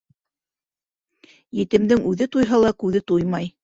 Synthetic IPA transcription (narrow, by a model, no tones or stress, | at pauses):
jɘ̆t̪ɘ̆md̪ɘŋʉðɘt̪ujɦɑlˠɑkʉðɘt̪ujmɑj